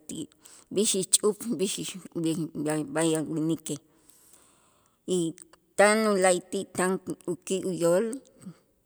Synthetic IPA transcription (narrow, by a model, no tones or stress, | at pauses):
t̪ḭʔ | biʃit͡ʃʼupbiʃiabajawinike | i | t̪anulajt̪iʔt̪aŋukiʔujoːl